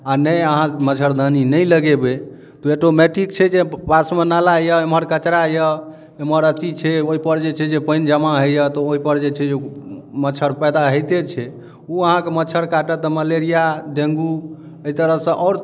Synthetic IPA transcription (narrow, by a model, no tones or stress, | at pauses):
anəjəɦãmət͡ʃʰəɾd̪əninəjləɡebe | t̪ɔeʈomeʈik̚t͡ʃʰɛd͡ʒepasmenalajəeməɾkət͡ʃɾajə | eməɾət͡ʃit͡ʃʰɛoɦipəɾd͡ʒet͡ʃʰɛd͡ʒepəjnd͡ʒəmaɦəjət̪ɔoɦipəɾd͡ʒet͡ʃʰɛd͡ʒemət͡ʃʰəɾpɛd̪aɦəjt̪et͡ʃʰɛ | uəɦãkemət͡ʃʰəɾkaʈət̪ɔməleɾijaɖẽŋɡu | eit̪əɾəɦsə̃ʔɔʊɾ